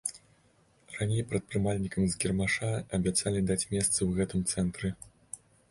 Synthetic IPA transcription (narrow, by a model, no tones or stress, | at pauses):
ranʲejpɾɐt̪̚pɾɨmalʲnʲikɐmzɡʲɛrmaʂaɐbʲat̪salʲid̪at͡sʲmʲɛst̪sɐwɣɛt̪ɨmt̪sɛnt̪ɾɨ